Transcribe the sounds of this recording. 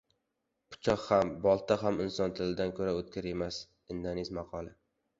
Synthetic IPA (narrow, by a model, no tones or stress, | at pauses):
pʰʊ̥t͡ʃʰɒχhambɒlˠt̪ʰaɦamɪnsɒnt̪ʰɪlɪd̪ankʰɵɾaɵt̪̚kʲʰaɾe̞mas | ɪnd̪anɪzmɑqʰɒlˠɪ